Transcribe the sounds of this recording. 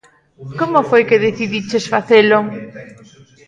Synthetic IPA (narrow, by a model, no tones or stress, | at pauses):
komofojkeðeθiðit͡ʃesfaθelo